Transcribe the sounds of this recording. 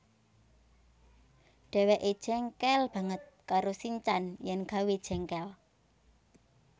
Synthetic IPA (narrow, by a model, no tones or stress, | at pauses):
ɖ̥ɛ̤wɛʔed̥ʒ̥ɛŋkɛlb̥a̤ŋət̪̚kaɾosiɲt͡ʃanjɛnɡ̥a̤wed̥ʒ̥ɛ̤ŋkɛl